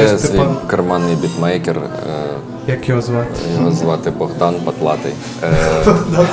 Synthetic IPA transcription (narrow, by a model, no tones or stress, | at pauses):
sʋʲikɐrmɑnːɪjbʲit̪mɛjkʲɛr | jɐkjɔɦɔzʋɑt̪jɔɦɔzʋɑt̪ɪbɔɣd̪ɑnpɐt̪lˠɑt̪ɪj | d̪